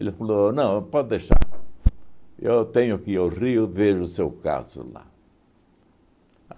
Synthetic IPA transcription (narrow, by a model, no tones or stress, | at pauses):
elɪfalonɐ̃w̃pɔd̪eʃa̰ | ewt̪ẽɲʊakiariʊveʒʊsewka̰zʊ̰la̰